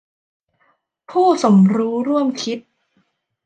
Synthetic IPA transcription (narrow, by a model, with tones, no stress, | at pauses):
pʰuː˥˩so˩˦mɾuː˦˥ɾu˥˩əmkʰi˦˥t̪̚